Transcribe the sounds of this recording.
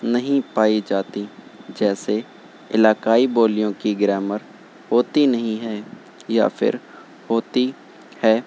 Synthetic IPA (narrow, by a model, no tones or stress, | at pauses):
nɐɦĩpaːid͡ʒaːt̪id͡ʒɛːse | ɪlaːkaːiboːlijõkiɡɾɛːməɾ | hoːt̪inɐɦĩɦɛː | ja̰fʰɪ̰ɾ | hoːt̪i | hɛː